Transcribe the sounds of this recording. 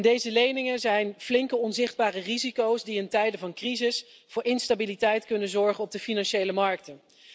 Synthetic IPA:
ndejzəlejnɪŋəzɛjnflɪŋkəɔnzɪχd̚baːrərizikowsdiɪntɛjdəvɑnkrizɪs | vʊːɹɪnstabilitɛjtkɵnəzɔɹχənɔb̚dəfinɑnʃejləmɑɹk̚tə

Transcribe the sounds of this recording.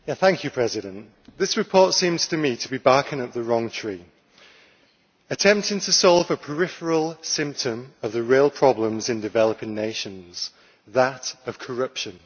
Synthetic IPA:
jæθæ̃ŋkʰjɨpʰɹ̥ɛzɪɾə̃nʔ | ðɪsɹɪpʰɔˑtsĩmz̥tʰəmitʰəbibɑˑkʰə̃nəp̚ðəɹɒ̃ŋtʰɹ̥iː | ətʰɛ̃mp̚tɪ̃ŋtʰəsɒlˠvəpʰəɹɪfəɹəlˠsɪ̃mp̚tʰə̃məvðəɹiəlˠpʰɹ̥ɒblə̃mzɪ̃ndɪvɛləpɪ̃ŋneɪʃə̃nz̥ | ðətəv̥kʰəɹʌpʃə̃n

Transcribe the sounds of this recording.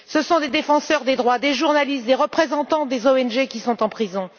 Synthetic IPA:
səsɔ̃d̪ed̪efɑ̃sœʁd̪ed̪ʁwad̪eʒuʁnalist̪̚d̪eʁəpχezɑ̃t̪ɑ̃d̪ezoɛnʒekʲisɔ̃t̪ɑ̃pχizɔ̃

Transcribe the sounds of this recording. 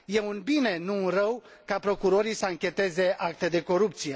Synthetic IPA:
je̞unbine̞nunrəwkapɾo̞kuɾo̞ɾisəaŋkʲe̞t̪e̞ze̞ʔak̚t̪e̞d̪e̞ko̞ɾupt̪sije̞

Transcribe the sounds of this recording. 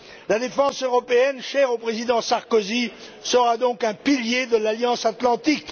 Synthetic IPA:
lad̪efɑ̃søʁɔpeɛnʃɛʁopχezid̪ɑ̃saʁkozi | səʁad̪ɔ̃kɛ̃piljed̪əlaljɑ̃sat̪lɑ̃t̪ik

